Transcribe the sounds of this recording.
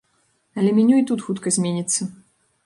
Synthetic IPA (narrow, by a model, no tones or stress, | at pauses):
ɐlʲɛmʲinʲuit̪ut̪xut̪kɐzʲmʲenʲit̪sːɐ